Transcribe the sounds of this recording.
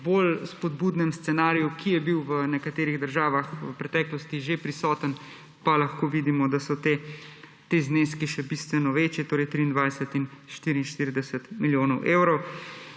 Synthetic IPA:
bolspɔd̪̚buːd̪nɛmst̪sɛnaːɾijukʰijɛbiwʋənɛkat̪eːɾiɣd̪əɾʒaːʋaxʋəpɾɛt̪ɛːklɔst̪iʒepɾisɔːt̪ən | palɐxkoːʋiːd̪imɔd̪asɔt̪e | t̪eːzneːskiʃɛbiːst̪ʋɛnɔʋeːt͡ʃjɛt̪oːɾɛjt̪ɾiːnd̪ʋajsət̪inʃt̪iɾiinʃt̪iɾid̪ɛsət̪miljoːnɔwʔeːwɾɔw

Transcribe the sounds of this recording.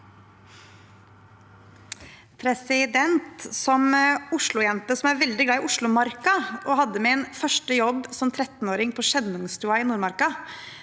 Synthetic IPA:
pʰɾɛsɪd̪ɛnt̪sɔmʊʂɭʊjɛnt̪əsɔmæɾʋɛld̪ɪɡlɑːɪʔʊʂɭʊmɑɾkɑʔɔːhɑd̪ːəmeɛnfœʂʈəjɔbːsɔmt̪ʰɾɛt̪n̩oːɾɪŋpʰɔːʃɛnʊŋst̪ʰuːɑɪːnuːɾmɑɾkɑ

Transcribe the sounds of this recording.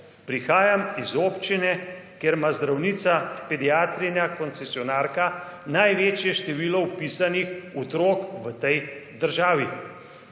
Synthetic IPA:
pɾixaːjamizoːpt͡ʃinɛkjeːɾmazd̪ɾawniːt̪sapɛd̪iaːt̪ɾinakɔnt̪sɛsiɔnaːɾkanajʋeːt͡ʃjɛʃt̪ɛʋiːlɔwpiːsanixɔt̪ɾoːkʋət̪ɛjd̪əɾʒaːʋi

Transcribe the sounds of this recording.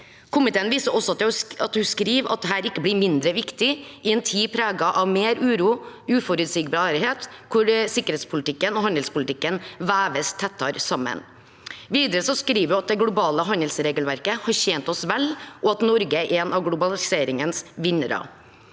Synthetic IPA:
kʰʊmɪt̪eːənʋiːsəʔɔsːɔɑt̪ɛɑt̪hʉskɾiːʋɑ̰t̪̚d̪ɛɦæːɾɪkːəblɪɾmɪnd̪ɾəʋɪkt̪ɪʔɪɛnt̪ʰiːpʰɾæːɡɑʔɑʋmeːɾʉːɾuː | ʉːfɔɾʉt̪siːɡbɑːɾɪheːt̪kʰʊɾsɪkːəɾeːt̪spʰʊlɪt̪ɪkːənɔhɑnd̪əlspʊlɪt̪ɪkːənʋæːʋəst̪ʰɛt̪ʰːɑɾsɑmːə̰n | ʋiːd̪əɾəsɔskɾiːʋəjʉɑt̪̚d̪ɛɡlʊbɑːləɦɑnd̪əlsɾeːɡəlʋæɾkəhɑɾçeːnt̪ɔsʋɛlʔɔɑt̪nɔɾɡəɛnɑʋɡlʊbɑlɪseːɾɪŋənsʋɪnəɾɑ̰

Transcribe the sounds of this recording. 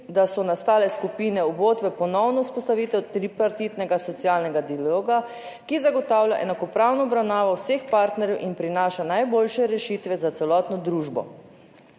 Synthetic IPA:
d̪asɔnast̪aːlɛskupiːnɛuʋoːt̪ʋɛpɔnɔwnɔuspɔst̪aʋiːt̪ɛwt̪ɾipaɾt̪iːt̪nɛɡasɔt̪siaːlnɛɡad̪ialoːɡa | kizaɡɔt̪aːwlʲja̰ʔɛ̰nakɔpɾawnɔːbɾawnaːʋɔwsexpaɾt̪nɛɾjɛwʔinpɾinaːʃanajboːlʃɛɾɛʃit̪ʋɛzat̪sɛlɔːt̪nɔd̪ɾuːʒbɔ̰

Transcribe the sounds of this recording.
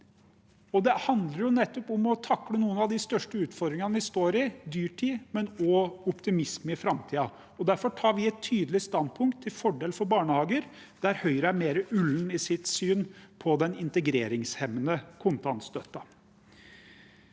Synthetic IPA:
ɔd̪ɛhɑnd̪ləɾjʊnɛt̪ːɔpʊmɔt̪ʰɑkːlənuːənɑʋd̪ɪst̪œʂʈəʉːt̪fɔɾd̪ɾɪŋɑnʋɪst̪oːɾɪd̪yːʈʰiːmɛnɔʊpt̪ɪmɪsməɪfɾɑmt̪ʰiːɑ | ɔd̪æɾfɔʈʰɑːɾʋɪɛt̪ʰːyːd̪əlɪst̪ɑnd̪̚pʰʊŋk̚t̪ʰːɪlfɔɖeːlfɔɾbɑːɳəhɑːɡəɾ | d̪̥æɾhœʏɾəæmeːɾəʔʉlːn̩ɪsɪt̪syːnpʰɔd̪ɛnɪnt̪əɡɾeːɾɪŋshɛmənəkʰʊnt̪ɑnt̪st̪œt̪ːɑ

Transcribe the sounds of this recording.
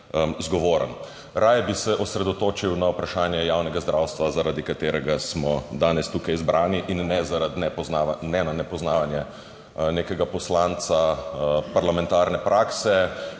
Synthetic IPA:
zɡɔʋoːɾə̰n | ɾajbisɛʔɔsɾɛd̪ɔt̪oːt͡ʃiwnaupɾaʃaːnjɛjawnɛɡazd̪ɾʔawst̪ʋazaɾaːd̪ikat̪eːɾɛɡasmɔd̪aːnɛst̪ukajzbɾʔaːniʔinːɛzaɾad̪nɛɔnanɛnanɛpɔznaːʋanjɛ | neːkɛɡapɔslaːnt̪sapaɾlamɛ̃nt̪aːɾnɛpɾʔaːksɛ

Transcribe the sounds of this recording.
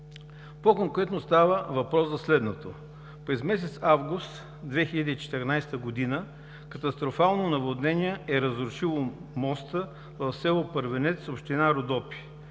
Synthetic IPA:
pokoŋkɾɛt̪nost̪avəvɐpɾɔszɐslɛd̪not̪o | pɾɛzmɛsɛt̪savɡust̪ | d̪vɛxiʎʲɐd̪iːt͡ʃɛ̥t̪ɛɾnajst̪əɡod̪inə | kɐt̪ɐst̪ɾofalˠnonɐvod̪nɛnʲiɛɛɾəzɾʊʃilˠomɔst̪ə | vɐfsɛlˠopəɾvɛnɛt̪sopʃt̪inaɾod̪ɔpi̥

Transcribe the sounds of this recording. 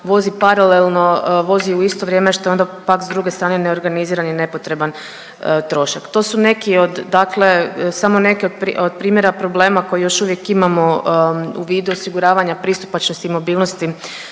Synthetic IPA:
ʋo̞zipaɾalelˠno̞ʋo̞ziuist̪oʋɾje̞ːmeʃt̪o̞jo̞nd̪apakzd̪ɾuɡest̪ɾaːneneo̞ɾɡaniziːɾanjene̞po̞t̪ɾe̞ban | t̪ɾo̞ʃakt̪o̞ːsune̞kio̞d̪ːakle̞samone̞kio̞d̪̚pɾiod̪̚pɾiːmje̞ɾapɾo̞ble̞ːmako̞jijo̞ʃuʋje̞kimamo̞ṵʋiːd̪uosiɡuɾaːʋaɲapɾiːst̪u̥pat͡ʃnost̪iːmo̞biːlˠno̞st̪i

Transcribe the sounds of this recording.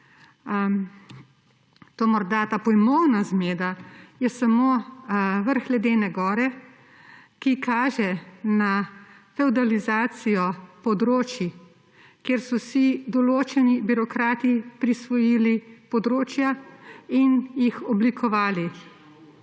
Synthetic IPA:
t̪oːmɔɾd̪at̪aːpɔjmɔwnazmeːd̪ajɛsamo | ʋəɾxlɛd̪eːnɛɡɔːɾɛ | kikʰaːʒɛna | fɛwd̪alizaːt̪sijɔpɔd̪ɾoːt͡ʃi | keɾsɔsid̪ɔloːt͡ʃɛnibiɾɔkɾaːt̪ipɾisʋɔjilipɔd̪ɾoːt͡ʃjainjixɔblikʰɔʋaːli

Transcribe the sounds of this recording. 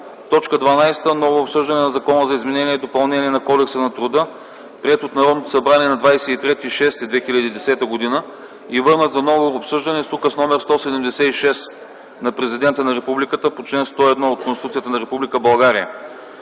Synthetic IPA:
t̪ɔt͡ʃkəd̪vɐnajst̪ənɔvoːpsɤʒd̪ɐnɛnɐzɐkɔnəzɐizmɛnɛniɛɛd̪opɐlˠnɛniɛnɐkɔd̪ɛksənɐt̪ɾʊd̪ɤ | pɾiɛt̪ot̪nɐɾɔd̪not̪osɐbɾaniɛnɐd̪vajsɛit̪ɾɛt̪iʃɛst̪id̪vɛxilʲɐd̪iːd̪ɛsɛt̪əɡod̪inə | ivɤɾnət̪zɐnɔvoːpsɤʒd̪ɐnɛsukəsnɔmɛɾst̪ɔsɛd̪ɛmd̪ɛsɛiʃɛst̪ | nɐpɾɛzid̪ɛnt̪ənɐɾɛpublikət̪əpot͡ʃlɛnst̪ɔɛd̪nɔot̪̚konsit̪ut̪sijət̪ənɐɾɛpublikəbɐlˠɡaɾiə

